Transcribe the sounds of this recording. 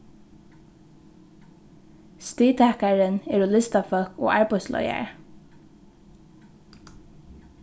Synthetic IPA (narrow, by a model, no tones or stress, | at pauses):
st̪iːt̪ʰækæɹəneːɹʊlɪst̪ɑfœkʰo̰ːʔɑːɹbɔslʔɔ̰ʏə̰ɹ